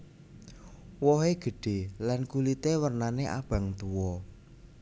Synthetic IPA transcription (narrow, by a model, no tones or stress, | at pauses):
wɔɦeɡ̥ə̤ɖ̥e̤lankulit̪ewərnaneʔa̰b̥a̤ŋt̪uwɔ